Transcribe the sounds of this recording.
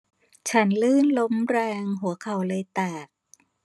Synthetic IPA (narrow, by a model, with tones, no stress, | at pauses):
t͡ɕʰa˦˥nlɯː˥˩nlo˦˥mɾɛː˧ŋɦu˩˦ɐkʰa˨˩wlɤː˧jt̪ɛː˨˩k̚